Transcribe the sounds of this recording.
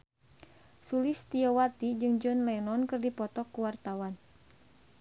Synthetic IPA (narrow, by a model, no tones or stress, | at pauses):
sulist̪iɔwat̪id͡ʒɨŋd͡ʒɔnlɛnɔnkɨrdipɔt̪ɔkːuwart̪awan